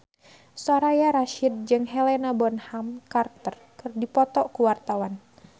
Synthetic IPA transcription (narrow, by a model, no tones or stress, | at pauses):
saɾajaɾaʃid̪̚d͡ʒɨŋɦɛlenabɔnhamkart̪ərkɨrdipɔt̪ɔkuwart̪awan